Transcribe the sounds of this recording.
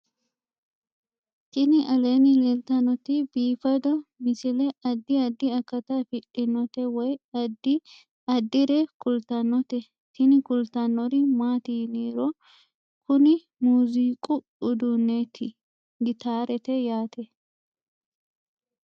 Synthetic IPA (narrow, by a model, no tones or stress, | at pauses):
t̪ɪnɪɐleːnɪlɛlt̪ɐnɔt̪ɪbiːfɐd̪ɔmɪsɪlɛʔɐd̪ːɪɐd̪ːɪɐkːɐt̪ɐfɪʔʼɪnːɔt̪ɛwɔjɐd̪ɪ | ɐd̪ːɪɾekʊlt̪ɐnːɔt̪ɛ | t̪ɪnɪkʊlt̪anːɔɾɪmaːt̪iːneːɾɔ | kʊnɪ | muːziːkʼʊ | ʊd̪unːet̪ʰɪ | ɡɪt̪aːɾɛt̪ɛjaːt̪ʰɛ